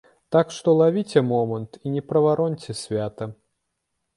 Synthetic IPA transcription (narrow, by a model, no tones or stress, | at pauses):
t̪akʂt̪ɔlˠavʲit͡sʲɛmɔmɐnt̪inʲɛpɾɐvaɾɔnʲt͡sʲɛsʲvʲat̪ɐ